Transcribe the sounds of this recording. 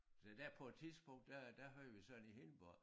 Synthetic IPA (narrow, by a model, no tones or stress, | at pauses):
sed̥æpʰɒ̽e̝d̥t͡sʰiðˠsb̥ɔ̽ŋ̰d̥ːæd̥æɦøɐ̰ɐʋisɒ̽dn̩ihe̝nb̥ɒ